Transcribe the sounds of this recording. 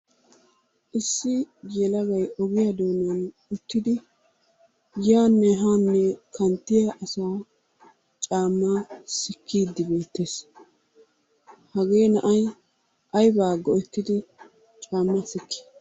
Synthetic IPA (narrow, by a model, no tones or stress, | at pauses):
ʔɪsːɪɡɛlɐɡɐjɔɡɪjɐd̪o̞ːnɪjɐn | ʊt̪ːɪd̪ɪ | jaːnːɛɦaːnːɛkʰɐnt̪ːɪjɐʔsaː | t͡ʃʼaːmːasɪkʰːiːd̪ːɪbe̞ːt̪ːeːs | hɐɡeːnɐʔɐj | ʔɐjbaːɡɔɛt̪ːɪd̪ɪ | t͡ʃʼaːmːɐsɪkːɪ̥